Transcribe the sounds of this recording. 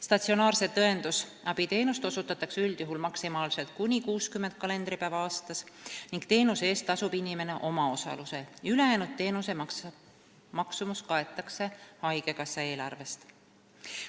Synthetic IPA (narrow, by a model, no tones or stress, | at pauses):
st̪ɑt̪sio̞nɑːrse̞t̪ɤe̞nd̪̥usʔɑb̥it̪e̞ːnust̪osut̪ːˑɑt̪ːˑɑksyld̪̥juɦulmɑksimɑːlse̞lt̪̚kunʲikuːskymːent̪̚kɑle̞nd̪̥ɾipæːvɑɑːst̪ɑsniŋɡ̥t̪e̞ːnuse̞ːst̪ːɑsub̥inʲime̞ne̞ʔo̞mɑo̞sɑ̰luse̞yle̞jæːnut̪ːe̞ːnuse̞ | mɑksumuskɑe̞t̪ːˑɑkse̞hɑjɡ̥e̞kɑsːɑe̞ːlɑrve̞st̪